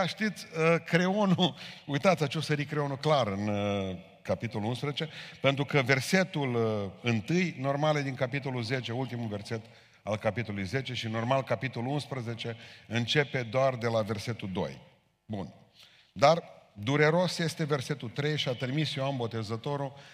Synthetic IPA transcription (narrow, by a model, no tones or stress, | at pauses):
ʃt̪it̪sʲəkɾeo̞nuujt̪at̪sʲat͡ʃesəɾikɾeo̞nuklaɾɨn | kapit̪o̞luunspɾəzet͡ʃe̞pent̪ɾukəve̞rse̞t̪ulɨnt̪ɨjno̞rmaled̪iŋkapit̪o̞lulze̞t͡ʃe̞ult̪imulve̞rse̞t̪ | alkapit̪o̞lujze̞t͡ʃe̞ʃino̞rmalkapit̪o̞luunspɾəze̞t͡ʃe̞ɨnt͡ʃe̞pe̞d̪oard̪e̞lave̞rse̞t̪uld̪o̞̰j | bun | d̪ard̪uɾeɾo̞sje̞st̪e̞ve̞rse̞t̪ut̪ɾe̞jʃiat̪ɾimisjoambo̞t̪e̞zət̪o̞ɾu